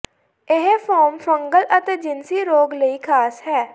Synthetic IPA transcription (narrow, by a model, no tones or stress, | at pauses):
ɪɦfʰɔːɾmfəŋɡəlʔət̪eːd͡ʒɪnsiːɾoːɡləiːkʰaːsɦɛː